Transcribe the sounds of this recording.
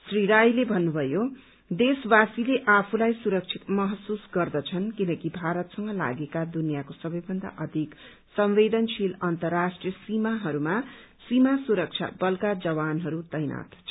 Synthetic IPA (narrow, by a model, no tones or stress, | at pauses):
sriɾajlebʱʌnːubʱʌjo | d̪eswasileʔapʰulajsuɾʌk̚t͡sʰit̪mʌɦʌsusɡʌrd̪ʌt͡sʰʌnkinʌkibʱaɾʌt̪sʌŋɡʌla̰ɡekad̪unijakosʌbʌjbʱʌnd̪a̰ʔʌd̪ʱik | sʌmʋed̪ʌnt͡sʰilʌnt̪ʌrasʈrijʌsimaɦʌɾuma | simasuɾʌk̚t͡sʰa̰bʌlkad͡zʌwanɦʌɾut̪ʌjna̰t̪